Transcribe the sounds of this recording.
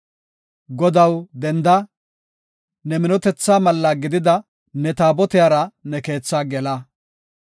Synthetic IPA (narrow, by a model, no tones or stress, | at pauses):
ɡɔd̪ɐwd̪ɛnd̪ɐ | nɛmɪnɔt̪ɛt͡sːaːmɐlːɐɡɪd̪ɪd̪ɐ | nɛt̪aːbɔt̪ɪjaːɾɐnɛke̞ːt͡sːaːɡɛlɐ